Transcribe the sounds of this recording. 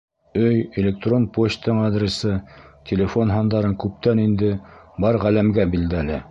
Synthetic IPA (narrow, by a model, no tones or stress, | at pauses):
ɵjelʲek̚t̪ro̞npoɕt̪ɤɴɑd̪ɾʲɪsɤt̪ʲʰelʲefo̞nɦɑnd̪ɑɾɤŋkʉp̚t̪ænind̪ɘbɑɾʁælæmɡæbild̪ælɘ